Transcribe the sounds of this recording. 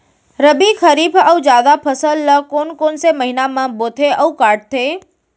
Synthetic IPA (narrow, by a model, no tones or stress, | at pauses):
ɾəbixʰəɾiːbəud͡ʒjaːd̪apʰəsəlːəkoːnkoːnseməɦinamãboːt̪ʰeəukaːɾʈ̚t̪ʰeː